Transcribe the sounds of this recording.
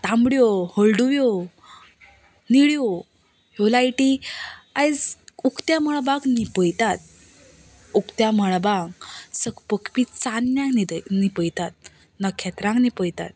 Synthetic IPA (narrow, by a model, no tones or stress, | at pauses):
t̪ãmbɽjohəlɖuʋjo | niɭjo | jolajʈiajd͡zukt̪jaməɭ̃baɡnipəjt̪at̪̚ | ukt̪jaməɭ̃bãŋsəkpəkpit͡sanjãŋnid̪nipəjt̪at̪̚ | nəkʰːat̪ɾãŋɡnipəjt̪a̰t̪̚